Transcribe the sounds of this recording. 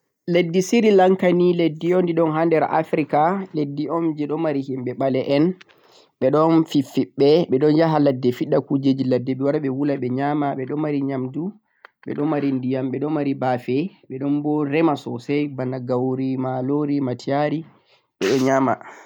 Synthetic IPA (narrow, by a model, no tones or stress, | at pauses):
ledːisiɾilaŋkaniledːiɔndiɗɔnɦandɛɾʔa̰fɾikaledːiɔmd͡ʒɛɗɔmaɾihimɓɛɓalɛʔɛn | ɓɛɗɔnfifiɓːɛɓɛɗɔnd͡ʒaɦaladːɛfiɗːakud͡ʒed͡ʒiladːɛɓɛwaɾaɓɛwulaɓɛɲamaɓɛɗɔmːaɾiɲamdu | ɓɛ̰ɗɔmaɾindijamɓɛɗɔmaɾibafɛɓɛɗɔnbɔɾɛmasɔsɛjbanːaɡawoɾimaloɾimatiaɾi | ɓɛɗɔɲama̰